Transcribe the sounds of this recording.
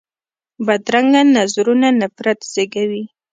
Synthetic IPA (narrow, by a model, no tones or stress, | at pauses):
bad̪ɾaŋɡanazɾunanafɾat̪z̥eɡawi